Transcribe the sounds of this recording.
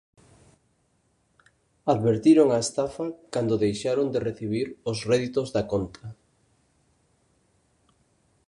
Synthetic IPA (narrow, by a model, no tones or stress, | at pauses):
aðβeɾt̪iɾoŋaest̪afakand̪oðejʃaɾond̪ereθiβ̞iɾʊsrɛðit̪ozðakont̪ʰɐ